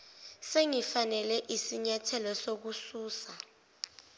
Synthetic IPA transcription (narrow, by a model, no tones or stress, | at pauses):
seŋifanɛlɛʔisiɲatʰɛlɔsok̬usuːsa